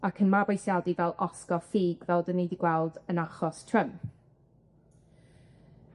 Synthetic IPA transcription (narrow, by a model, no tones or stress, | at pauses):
akʰənmabojsjadivɛlˠʔɔskɔfiːɡvɛlˠdənːejdiɡwɛlˠdənaχɔstʰrəmp